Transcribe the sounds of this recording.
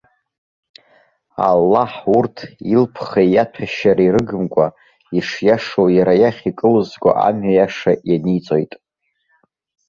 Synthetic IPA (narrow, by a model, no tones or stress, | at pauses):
a̰lːaħurtʰilpʰχejjatʰaʃaɾiɾɨɡɨmkʷʼa | iʂjaʂowjaɾajaχʲikʼɨlzɡʷʼa̰ʔamɥajaʂajanit͡sʼo̞jtʼ